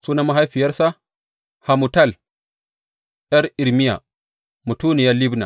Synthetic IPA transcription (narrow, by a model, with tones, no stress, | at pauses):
suː˦na˦ma˦ɦa˦jɸi˨jɐ˦ɾsa˦ | ha˨mu˨ta˦˨l | jɐ˦ɾi˨ɾmi˦ja̰˨ | mu˨tuː˦ni˨ja˦li˦bna̰˨